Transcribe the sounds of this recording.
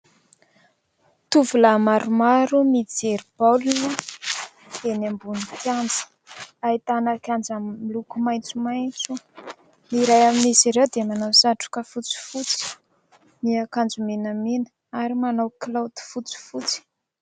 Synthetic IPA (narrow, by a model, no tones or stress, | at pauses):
t̪uvulamaɾumaɾumid͡zeɾib̥alunu̥ | enambunikjand͡zə̥ | ait̪anakjand͡zamːilukumajnt͡sumajnt͡su | niɾajaminisiɾewd̪emanawsaʈ͡ʂu̥kəfut͡si̥fut͡si̥ | miakand͡zumenamenə̥ | aɾimanawklawd̪i̥fut͡si̥fut͡si̥